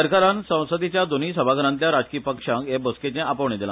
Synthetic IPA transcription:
əɾkaɾansə̃w̃səd̪it͡ɕjad̪oniːsəbʱaɡəɾãnt̪jaɾad͡zkiːpəkʂaŋkebosket͡ɕẽʔapəʋɳed̪ilã̰

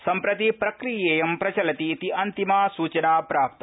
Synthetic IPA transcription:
sɐmpɾɐt̪ipɾɐkɾijeːjɐmpɾɐt͡ʃɐlɐt̪iːt̪iɐnt̪imaːsuːt͡ʃɐnaːpɾaːp̚t̪ɐ

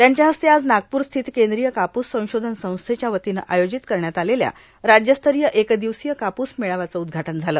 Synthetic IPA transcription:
t̪jaɲt͡ɕjaɦəst̪ʰead͡znaɡ̚puːɾst̪ʰiːt̪kend̪ɾijəkapusːə̃w̃ɕod̪ʱənsə̃w̃st̪ʰet͡ɕjaʋət̪inəʔajod͡ʑit̪kəɾɳjat̪alelja̰ | ɾad͡ʑjəst̪ʰəɾijəʔekd̪iʋsijəkapusmeɭaʋat͡səud̪ɡʱaʈənd͡zʱaləː

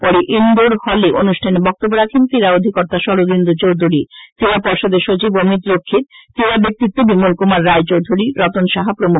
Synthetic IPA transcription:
pɔɾeʔind̪oɾhɔleʔonuʃʈʰanebɔk̚t̪obːoɾakʰent̪iɾaod̪ʱikɔɾt̪aʃɔɾod̪ind̪ut͡ɕowd̪ʱuɾit̪iɾapɔɾʃod̪eɾʃot͡ɕibomit̪ɾokʰːit̪̚t̪iɾabek̚t̪it̪ːobimolkumaɾːaet͡ɕowd̪ʱuɾiɾɔt̪onʃaɦapɾomuk

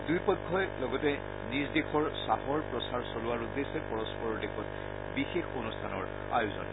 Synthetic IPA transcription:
dujpɔkʰːɔjlɔɡɔtɛ | nizdexʰɔɹsaɦɔɹpɹɔsaɹsɔlʊwaɹudːesɛpɔɹɔspɔɹɔɹdexʰɔt | bixexonustʰanɔ̰ɹ | a̰juzɔ̰n

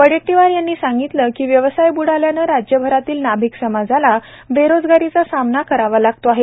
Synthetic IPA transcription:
pəɽeʈːiʋaɾjanːiːsaŋɡit̪ləkiːʋjəʋsajbuɽ̤aljanəɾad͡ʑjəbʱəɾat̪iːlnabʱiksəmad͡zala | beɾod͡zɡaɾit͡sasamnakəɾaʋalaɡ̚t̪oaɦe

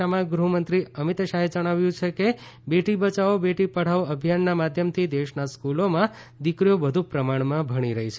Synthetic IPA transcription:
amãɡɾumənt̪ɾiəmit̪ʃaɦed͡ʒəɽ̃aʋjũt͡ʃʰeke | beʈibət͡ʃaobeʈipəɽ̤aʋəbʱijanːamad̪ʱjəmt̪ʰid̪eʃnaskulomã | d̪ikɾijobəd̪ʱũpɾəmaɳmãbʱəɽ̃iɾəɦit͡ʃʰe

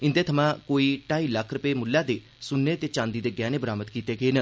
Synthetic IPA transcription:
ɪ̃nd̪eːt̪ʰəmãːkoːiːʈaːiːləkʰɾʊpeːmʊlːãːd̪eː | sʊnːeːt̪eːt͡ʃãːnd̪iːd̪eːɡɛːneːbəɾaːmət̪kiːt̪eːɡəeːnə

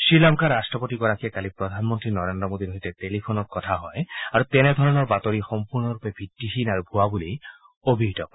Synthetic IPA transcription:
silamkaɹastɹɔpotiɡɔɹakʰijakalipɹɔd̪ʱanmɔntɹinɔɹendɹɔmod̪iɾoɦitɛtelipʰonɔkkɔtʰaɦɔjaɹut̪ɛnɛd̪ʱɔɹɔnɔɹbatoɹixɔmpuɹnɔɹupɛbʱitːixinaɹubʱuabuli | obʱiɦitɔk

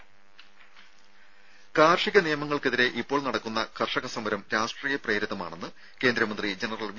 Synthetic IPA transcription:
kaːrʂiɣɐnijɐmɐŋːɐɭkeðiɾe̞ʔipːo̞ːɭnɐɽɐkːunːɐkʰɐrʂɐɣɐsɐmɐɾɐmɾaːʂʈriːjɐpre̞ːɾiðːɐma̰ːɳe̞nːɨ | ke̞ːnd̪ɾɐmɐnd̪rid͡ʑenɐrɐlʋ

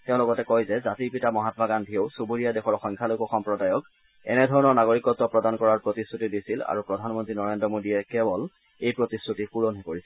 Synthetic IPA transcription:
tɛʊ̃lɔɡɔtɛkɔjzɛzatiɹpitamɔɦatɔbʱaɡandʱijoʊsubuɹijadexɔɹɔxɔŋkʰalokɔxɔmpɹɔdajɔk | ɛ̰nɛdʱɔɹɔnɔɹnaɡoɹikɔtːɔpɹɔdankɔɹaɹpɹotisɹutidisila̰ɹupɹɔdʱanmɔntɹinɔɹendɔmodiɛkɛbɔl | ejpɹotisɹutipuɹɔnɦɛkoɹisɛ

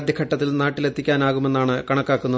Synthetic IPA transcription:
d̪jɐkʰɐʈːɐt̪̬ːilnaːʈːile̞t̪ʰːikʲːaːnaːɣume̞nːaːɳɨkɐɳɐkːaːkːunːɐ

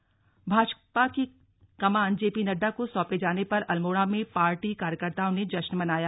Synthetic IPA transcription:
bʱaːʃpaki | kɐmaːnd͡ʒeːpinɐɖːakosɔːped͡ʒaːnepɐɾɐlmoːɽamẽpaːɾʈikaːɾjəkəɾt̪aːõned͡ʒɐʃnmɐnaːjaː

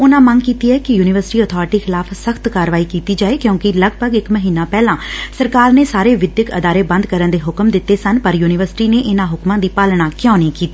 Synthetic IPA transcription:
ʊnãːməŋɡkiːt̪iːɛːkɪjuːnɪʋəɾsʈiːət̪ʰɔːɾʈiːxʰɪlaːpʰsəxʰt̪kaːɾʋaːiːkiːt̪iːd͡ʒaːeːkjõːkɪləɡ̚bʱəɡɪkməɦiːnãːpɛːlãːsəɾkaːɾneːsaːɾeːʋɪd̪jəkə̰d̪aːɾeːbə̃nd̪kəɾənd̪eːɦʊkəmd̪ɪt̪ːeːsənpəɾjuːnɪʋəɾsɪ̥ʈiːneːʔɪnãːɦʊkmãːd̪iːpaːlɽãːkɪjãːnĩːkiːt̪iː

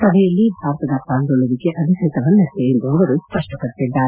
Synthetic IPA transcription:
sɐbʱɛjɐlːibʱaːɾɐt̪ɐd̪ɐkaːnɡoɭuɾikeʔɐd̪ʱisɐːt̪ɐʋɐnːɐst̪eind̪uɐʋɐɾuspɐʂʈɐpɐɽt̪id̪ːaːɾ

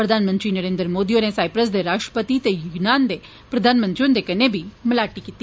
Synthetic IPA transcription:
pɾəd̪ʱaːnmə̃nt̪ɾiːnəɾẽːnd̪ɾəmoːd̪iːõnesaːɪpɾəsd̪eːɾaːʃʈɾə̥pət̪it̪ejʊɡnaːnd̪eː | pɾəd̪ʱaːnmə̃nt̪ɾiõnd̪eːkɐneːbʱiːməlaːʈiːkit̪ːi

